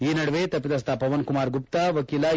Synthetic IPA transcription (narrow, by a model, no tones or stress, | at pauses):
iːnɐɽʋeːt̪ɐpːid̪ɐs̬t̪ʰaːpɐʋɐnkumaːɾɡupt̪aʋɐkiːla